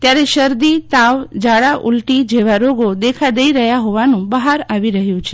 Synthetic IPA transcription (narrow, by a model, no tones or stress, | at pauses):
t̪jaɾeʃəɾd̪it̪aʋd͡ʒaɽaʔulʈid͡ʒeʋaɾoɡod̪ekʰad̪əiɾəɦjaɦoʋanũbəɦaɾaʋiɾəɦjũt͡ʃʰe